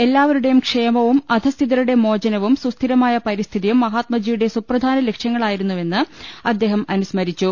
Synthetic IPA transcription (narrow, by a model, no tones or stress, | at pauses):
e̞lːaːʋɐɾuɽe̞jumkʂe̞ːmɐʋumɐd̪ʱɐst̪ʰiðɐɾuɽe̞mo̞ːd͡ʑɐnɐʋumsust̪ʰiɾɐmaːjɐpɐɾist̪ʰiðijumːɐɦaːt̪mɐd͡ʑijuɽe̞suprɐd̪ʱaːnɐle̞kʂjɐŋːɐɭaːjiɾunːuʋe̞nːɨɐd̪ːe̞ːɦɐmɐnusmɐɾit͡ɕːu